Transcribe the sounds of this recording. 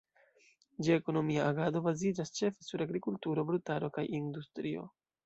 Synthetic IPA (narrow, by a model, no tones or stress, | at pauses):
d͡ʒieko̞no̞miaaɡado̞bazid͡ʒast͡ʃe̞fe̞suɾaɡɾikultuɾo̞bɾutaɾo̞kajindustɾio̞̰